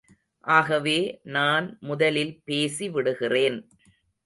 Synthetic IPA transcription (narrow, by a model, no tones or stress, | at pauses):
ʔaːɣɐʋeːnaːnmʊðɐlɪlpeːsiʋɪɽɯɣɪreːn